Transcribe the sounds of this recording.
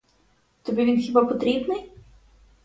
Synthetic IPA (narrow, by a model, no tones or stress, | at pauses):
t̪ɔbʲiʋʲinxʲibapɔt̪ɾʲibnɨj